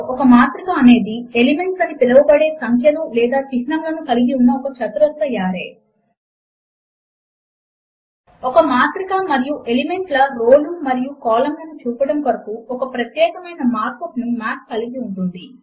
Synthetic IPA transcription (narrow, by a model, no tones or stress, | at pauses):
ɔkɐmaːt̪ɾikaːne̞ːd̪ielime̞ɳʈsɐnipilɐʋɐbɐɽe̞ːsɐŋkʰjɐlulɛːd̪aːt͡ʃiknɐmlɐnukɐliɡiunːɐɔkɐt͡ʃʰɐt̪uɾɐt̪ʋɐjaːɾeː | ɔkɐmaːt̪ɾikamɐɾijuʔe̞lime̞ɳʈlɐɾoːlumɐɾijukɔːlɐmlɐnut͡ʃuːpɐɽɐmkɐɾɐpuɔkɐpɾɐt̪jɛːkɐmɐjnɐmaːɾkopnumaːʈ̚kːɐliɡiuɳʈund̪i